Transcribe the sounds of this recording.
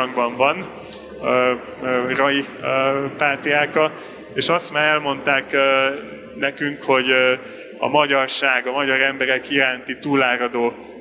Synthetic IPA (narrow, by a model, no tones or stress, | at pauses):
ŋɡbɒɱvɒn | rɒji | paːt̪ijaːkɒ | eːʃɒst̪maːɾɛlmo̞nt̪aːkː | nɛkyŋkho̞ɟ | ɒ̰mɒɟɒrʃaːɡɒmɒɟɒɾɛmbɛɾɛkiɾaːnt̪it̪uːlaːɾɒd̪oː